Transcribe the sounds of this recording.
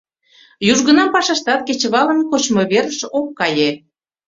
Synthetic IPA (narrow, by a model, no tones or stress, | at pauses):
juʒɣənɑmpɑʃɑʃt̪ɑt̪̚ket͡ɕəβɑlə̆nkot͡ɕmoβerəʃokːɑje